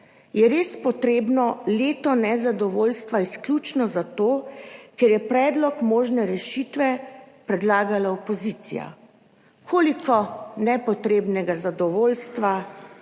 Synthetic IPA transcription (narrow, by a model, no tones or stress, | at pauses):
jɛɾeːspɔt̪ɾeːbnɔleːt̪ɔnɛzad̪ɔʋoːlst̪ʋaisklʲut͡ʃnɔzat̪oːkɛɾjɛpɾɛːd̪lɔkmoːʒnɛɾɛʃiːt̪ʋɛpɾɛd̪laːɡalaɔpɔziːt̪sḭja̰ | kʰoːlikʰɔnɛpɔt̪ɾeːbnɛɡazad̪ɔʋoːlst̪ʋa